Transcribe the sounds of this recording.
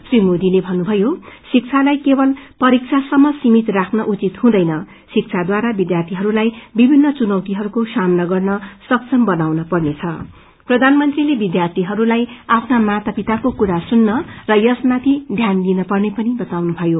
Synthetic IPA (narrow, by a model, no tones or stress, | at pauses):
srimod̪ilebʱʌnːubʱʌjosik̚t͡sʰalajkebʌlpʌɾik̚t͡sʰasʌmːʌsimit̪rakʰnʌʔut͡sit̪hũd̪ʌjnʌ | sik̚t͡sʰad̪waɾabid̪jart̪ʰiɦʌɾulajbibʱinːʌt͡sunʌwt̪iɦʌɾukosamnʌɡʌrnʌsʌk̚sʰʌmbʌnawnʌpʌrnet͡sʰʌ | prʌd̪ʱanmʌnt̪rilebid̪jart̪ʰiɦʌɾulajapʰnamat̪apit̪akokuɾasunːʌrʌjʌsmat̪ʰid̪ʱjanlinʌpʌrnepʌnibʌt̪awnubʱʌjo